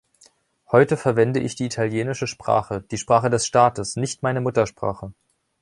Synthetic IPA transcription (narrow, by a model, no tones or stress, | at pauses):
hɔʏtəfɛɐvɛndəʔɪçd̥iːitʰaljeːnɪʃəʃpʁ̥a̰ːχəd̥iːʃpʁ̥aːχədɛsʃtaːtəsnɪçtmaɪnəmʊtɐʃpʁ̥a̰ːχə